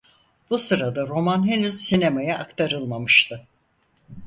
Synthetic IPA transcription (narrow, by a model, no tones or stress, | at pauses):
b̥usɯɾad̪aɾo̞manɦenyzsinemajaʔakt̪ʰaɾɯlˠmamɯʃt̪ʰɯ